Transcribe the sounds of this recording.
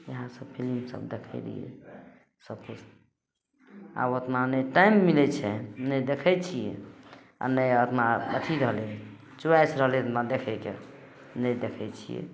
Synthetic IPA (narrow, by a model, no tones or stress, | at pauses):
jəɦãsəbpʰilimsə̰bd̪ekʰɛɪlḭɛ̰ | səpʰud͡ʒ | a̰bət̪nanəjʈajmːilɛt͡ʃʰɛnəjd̪ekʰɛt͡ʃʰijɛ̰ | a̰nəjət̪nabət̪ʰiɾəɦlɛ | t͡ʃuajsɾəɦlɛət̪nad̪ekʰɛkḛ | nəjd̪ekʰɛt͡ʃʰḭjɛ̰